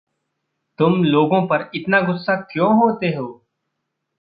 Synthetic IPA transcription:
t̪ʊmloːɡõːpəɾɪt̪naːɡʊsːaːkjõːɦoːt̪eːɦoː

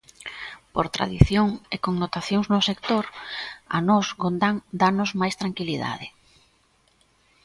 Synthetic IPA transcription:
poɾt̪ɾa̰ðiθjoŋekoŋnot̪aθjoŋznʊsekt̪oɾa̰nɔzɡond̪aŋd̪anʊzmajst̪ɾaŋkiliða̰ðɪ

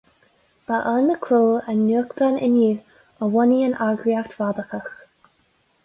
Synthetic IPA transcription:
b̥aʔənəkʰloːənːuəkd̪anɪ̰niː | əwɔniənaɡɾiakt̪vad̪əxəx

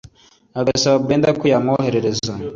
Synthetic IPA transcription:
aɡasaβabɡeːndakujamŋoːhe̞ɾe̞ɾe̞za

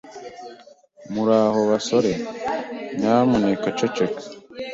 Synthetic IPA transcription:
muɾaːho̞βaso̞ɾe̞ | ɲaːmunekat͡ʃot͡ʃekḁ

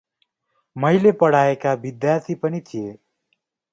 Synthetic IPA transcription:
mʌjlepʌɽ̤aekabid̪jaɾt̪ʰipʌnit̪ʰije

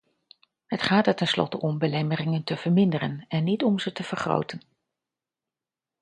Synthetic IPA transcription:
ɦətχaːtətɛnslɔ̰təʔɔmbəlɛmərɪŋəntəv̥əɹmɪndərənɛnːitɔmzətəv̥əɹχro̰wtən

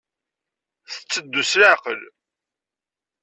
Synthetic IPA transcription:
θə̥t͡sːəd̪ːuslaʕqəl

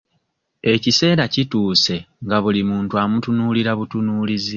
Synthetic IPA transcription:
e̞cise̞ːɾacituːse̞ | ŋɡaβulimuːntuamutunuːliɾaβutunuːlizi

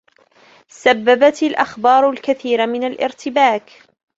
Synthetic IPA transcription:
sabːabat̪ɪlʔaxbɑːɾˤʊlkaθiːɾmɪnalʔɪ̰ɾt̪ɪbaːk

